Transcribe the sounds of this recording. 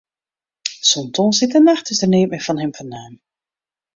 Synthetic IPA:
sɔntɔ̃ːnsɪtənaxtɪsdərneːpmɛfɔnhɪmfɔnaːm

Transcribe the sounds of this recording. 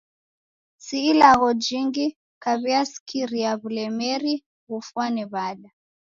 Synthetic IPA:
siːlaɣɔd͡ʒiŋɡi | kaβiasi̥kʰiɾiaβulɛmɛɾi | ɣufwaniβaɗa

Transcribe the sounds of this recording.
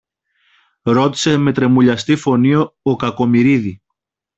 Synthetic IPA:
ɾo̞t̪i̥se̞me̞t̪ɾe̞muʎɐst̪ifo̞nioːkɐko̞miɾiði

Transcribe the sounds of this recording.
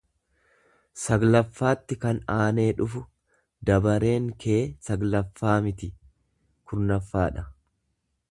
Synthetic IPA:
sɐɡlɐfːaːt̪ːɪkɐnaːne̞ːᶑʊfʊ | d̪ɐbɐɾe̞ːŋkʰe̞ːsɐɡlɐfːaːmɪt̪ɪ | kʰʊɾnɐfːaːᶑɐ

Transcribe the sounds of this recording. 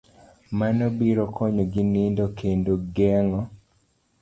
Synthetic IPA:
manɔbiɾɔkʰɔɲoɡinindɔkʰendoɡɛŋɔ

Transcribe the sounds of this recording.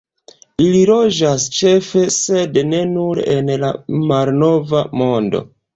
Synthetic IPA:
ililo̞d͡ʒast͡ʃe̞fe̞se̞dne̞nuɾenlamalno̞vamo̞ndo̞̰

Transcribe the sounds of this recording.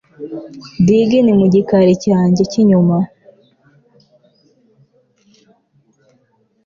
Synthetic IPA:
diɡinimuɟikaɾicaːɲɟeciɲuma

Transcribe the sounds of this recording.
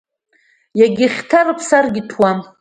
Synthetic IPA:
jaɡʲɪχʲtʰarɨpʰsarɡʲɪtʰwa

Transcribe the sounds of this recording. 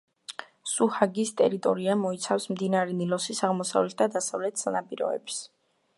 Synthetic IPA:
suhaɡist̪ʼɛɾit̪ʼɔɾiamɔit̪sʰafsmd̪inaɾɛnilɔsisaʁmɔsa̰vlɛt̪̚ʰd̪ad̪asavlɛt̪ʰsanapʼiɾɔ̰ɛ̰bs

